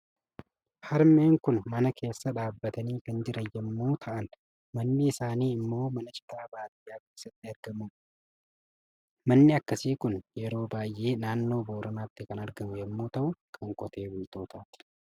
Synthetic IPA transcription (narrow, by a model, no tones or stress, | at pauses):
hɐɾme̞ːŋkʊnmɐnɐkʰe̞ːsːɐᶑaːbːɐt̪ɐniːkɐnd͡ʒɪɾɐjɛmːuːt̪ʰɐʔɐn | mɐnːɪːsaːniːɪmːo̞ːmɐnɐt͡ʃɪ̥k̪aːbaːt̪ɪjaːkeːsːɐt̪ːɪɐɾɡɐmu | mɐnːɪɐkːɐsiːkʊnjɛɾo̞ːbaːjʔeːnaːnːo̞ːbo̞ːɾɐnaːt̪ːɪkɐnɐɾɡɐmʊjɛmːuːt̪ɐʔʊkʰɐŋkʼɔt̪e̞ːwʊjt̪o̞ːt̪aːt̪ɪ̥